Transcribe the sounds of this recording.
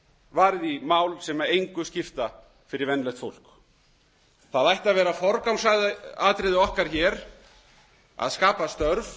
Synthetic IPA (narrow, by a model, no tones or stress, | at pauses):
vaːɾɪðimaːwlsɛːmaejŋkʏscɪft̪a | fɪɾɪɾvɛnːlɛjht̪fo̰wl̥k | θaðajht̪aðvɛːɾafɔɾkawmsaðaːt̪ɾɪðɪɔhkaɾ̥çɛːɾ | a̰ðskaːpast̪œɾv